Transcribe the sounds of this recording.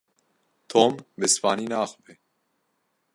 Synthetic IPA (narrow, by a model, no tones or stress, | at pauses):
t̪ʰoːmbɨsfɑːniːnaːxbe